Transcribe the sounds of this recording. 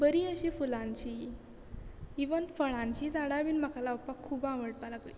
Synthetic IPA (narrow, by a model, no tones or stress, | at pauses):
bəɾiəɕiːfulãɲt͡ɕiː | iʋənfəɭ̃ãɲt͡ɕiːd͡zaɽaʋiːnm̤akalaupakʰːubãʋəɽpalaɡli